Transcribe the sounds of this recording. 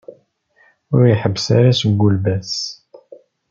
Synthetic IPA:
ʊɾjəħəbːsaɾasəɡːulbæs

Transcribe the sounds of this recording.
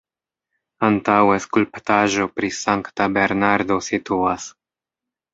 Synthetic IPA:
antaweskulpt̪aʒo̞pɾisaŋktabe̞ɾnaɾdo̞situas

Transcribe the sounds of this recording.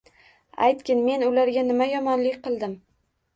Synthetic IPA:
a̰jt̪kʲɪnme̞nʊlaɾɡʲanɪmajɒmɒnlɪkʲqɨlˠd̪ɪm

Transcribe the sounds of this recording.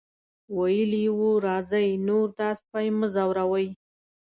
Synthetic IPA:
wajəliwuɾɑzəjnoɾt̪ɑspajməzawɾawəj

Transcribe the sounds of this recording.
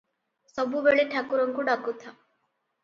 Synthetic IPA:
sɔbubeɭiʈʰakuɾɔŋkuɖakut̪ʰa

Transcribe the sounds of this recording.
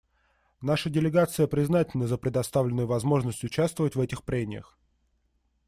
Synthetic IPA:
naʂədʲɪlʲɪɡat̪sɨjəpɾʲɪznatʲɪlʲnəzəpɾʲɪd̪ɐst̪avlʲɪnːʊjʊvɐzmo̞ʐnəsʲtʲʊt͡ɕast̪vəvətʲvɛtʲɪxpɾʲemʲɪjə̰x

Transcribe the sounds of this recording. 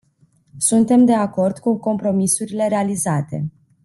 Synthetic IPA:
sunt̪e̞md̪e̞ako̞rd̪̥kuko̞mpɾo̞misuɾile̞ɾealizat̪e̞̰

